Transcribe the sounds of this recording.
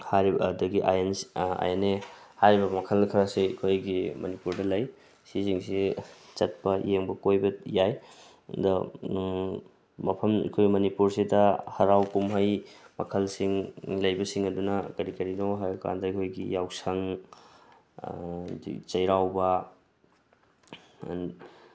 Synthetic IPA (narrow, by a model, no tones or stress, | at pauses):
haɾidɐɡiʔa̰jensa̰jenehaɾibɐmɐkʰɐlkʰɐɾɐsiikʰojɡimɐnipuɾdɐlɐj | sis̬iŋsit͡ʃɐt̚pɐjeŋbɐkojbɐjaj | dɐ | mɐpʰɐmḭkʰojɡimɐnipuɾsidɐhɐɾawkumɦɐjmɐkʰɐlsiŋlɐjbɐsiŋɐdunɐkɐɾikɐɾinowɦajka̰ndɐikʰojɡijawsɐŋ | t͡ʃɐjɾawbɐ | n